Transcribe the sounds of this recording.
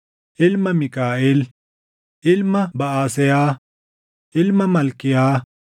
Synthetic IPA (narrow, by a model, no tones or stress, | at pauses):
ɪlmɐmikaːil | ɪlmɐbɐaːsejaː | ɪlmɐmɐlkijaː